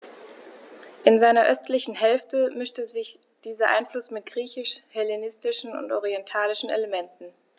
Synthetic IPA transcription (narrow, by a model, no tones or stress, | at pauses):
ʔɪnzaɪnɐʔœstlɪçn̩ɦɛlftəmʏʃtəzɪç | d̥iːzɐʔa̰ɪnflʊsmɪt̚ɡ̥ʁiːçɪʃhɛlenɪstɪʃn̩ʊ̰ntʔɔʁiɛntʰaːlɪʃn̩ḛləmɛntn̩